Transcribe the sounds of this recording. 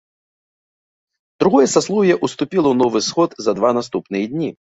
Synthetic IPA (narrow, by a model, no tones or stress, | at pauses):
d̪ɾuɣɔjɛsaslˠɔwjɛʔust̪upʲilˠɐwnɔvɨsxɔd̪zɐd̪vanast̪upnɨjɐd̪ʲnʲi